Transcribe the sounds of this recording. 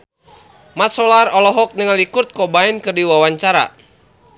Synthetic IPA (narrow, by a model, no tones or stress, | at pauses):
mat̪̚sɔlarɔlɔɦɔk̚nəŋalikurt̪̚kɔbaɛnkɨrdiwawaɲt͡ʃaɾa̰